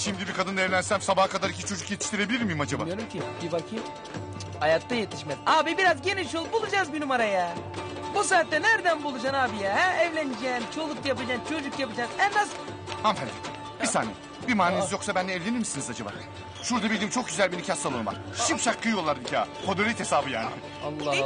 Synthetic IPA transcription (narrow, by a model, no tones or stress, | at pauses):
ʃimd̪ibikʰad̪ɯnaɛvlʲænsæmsabahkʰad̪aɾicʰit͡ʃʰo̞d͡ʒukjet̪ʰi̥ʃt̪iɾe̞bilʲiɾmijimad͡ʒaba̰oɾmcʰibivacʰi | hajak̚t̪ajet̪ʰiʃmɛzaːbibiɾazɟeniʃulˠbulˠud͡ʒaːzbinumaɾaja | bus̬aːt̪ːɛnæɾd̪ænbulˠud͡ʒanaːbijaɦɛɛvlʲænid͡ʒɛnt͡ʃʰo̞lˠukjapad͡ʒant͡ʃʰo̞d͡ʒukjapad͡ʒazɛnːaz | hamfænd̪ia | b̥isaːnḭ | bimaːnʲenizjo̞ksabænd̪ɛɛvlʲeniɾmisinizad͡ʒaba̰ː | ʃuɾd̪abilʲd̪imt͡ʃʰo̞k̚ɟyzælʲbinicʰʲasalˠonva̰ɾ | ʃipʃakʰːɯjo̞lˠːaɾd̪icʰa̰ːkʰod̪oɾit̪hesaːbɯja̰ːn̰ɪ | lˠː